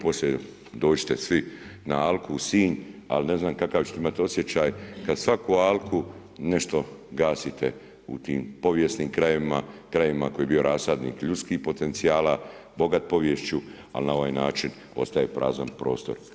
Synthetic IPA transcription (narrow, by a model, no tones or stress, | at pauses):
po̞slʲe | d̪o̞ːt͡ʃɪ̥t̪e̞sʋinaalkʰusiːɲa̰lne̞znaːmkakaʋt͡ʃet̪eimat̪io̞sje̞t͡ɕaːjkad̪sʋakualkʰu | ne̞ʃt̪o̞ɡaːsit̪e | ṵt̪iːmpo̞ʋjesniːmkɾajeʋimakɾajeʋimakojebio̞ɾaːsad̪nḭːkʎut̪skiːhpo̞t̪e̞nt̪siaːlabo̞ɡat̪̚po̞ʋjeʃt͡ʃu | a̰lnao̞ʋaːjna̰ːt͡ʃin | o̞̰st̪ajepɾʔa̰ːza̰npɾo̞̰ːst̪o̞ɾ